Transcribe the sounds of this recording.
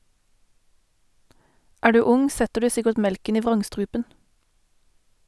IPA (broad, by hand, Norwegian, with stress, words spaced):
ˈæːʁ ˈdʉː ˈʊŋ ˈsɛtəʁ ˈdʉː ˈsɪkəʈ ˈmɛlkən ˈiː ˈʋʁɑŋˌstʁʉːpən